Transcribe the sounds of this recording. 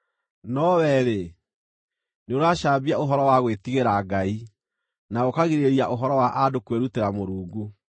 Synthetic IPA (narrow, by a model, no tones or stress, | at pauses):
nɔwɛɾe | neoɾaʃaːbiaoɦɔɾɔwaɣwetiɣeɾaɡai | naɣokaɣiɾeɾiaʔoɦɔɾɔwaʔadokweɾuteɾamoɾuːŋɡu